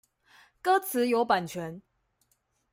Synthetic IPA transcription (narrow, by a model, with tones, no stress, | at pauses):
kɤ˦t͡s̩ʰ˨˦jo˨˦ʊpa˨˩nt͡ɕʰɥɛ˨˦n